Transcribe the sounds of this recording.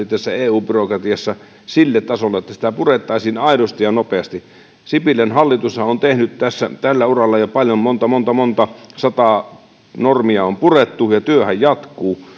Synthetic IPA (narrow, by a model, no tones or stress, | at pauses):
it̪ːæsːæeːuːpyrokrɑt̪iɑsːɑ | silːet̪t̪ɑsolːɑet̪ːæsi̥t̪æpuret̪ːɑˑisiːnɑˑiɾost̪ijjɑnopeɑst̪i | sipilːˑenhɑlːit̪ushɑont̪ehnytt̪æsːæ̰t̪ælːæurɑlːɑjopɑljommont̪ɑmont̪ɑmont̪ɑsɑt̪ɑˑ | normiɑompuret̪ːujɑt̪yøhæjjɑt̪kˑuː